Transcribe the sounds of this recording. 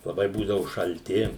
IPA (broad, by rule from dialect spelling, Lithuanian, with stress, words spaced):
lˠɐˈbɐɪ ˈbuːdɐʋʊ ʃɐlʲˈtʲɪ